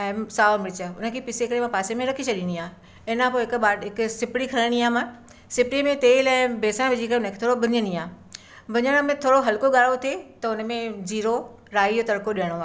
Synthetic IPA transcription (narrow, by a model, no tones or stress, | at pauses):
ɛ̃ːsaːomɪɪt͡ɕəʊnə̆kʰeːpɪseɪkɽemãpaːsemẽɾɐkʰit͡ɕʰɐɗiniaː | ɪnãpoɪkɓaːɦɪkʊsɪpɪɽikʰɐɾəɽ̃iaːmã | sɪpɽimẽt̪eːlɛ̃ːbeːsə̃ʋɪd͡ʑʱikəʊnəkʰe̥ːt̪ʰoːɽobʊɲəniaː | bɐɲəɽ̃ə̆mẽt̪ʰoːɽoɦɐlkoɠaːɽot̪ʰet̪ɐʊnəmẽd͡ʑiːɾo | ɾaːid͡ʑot̪ɐɾkoɗijəɽ̃oaː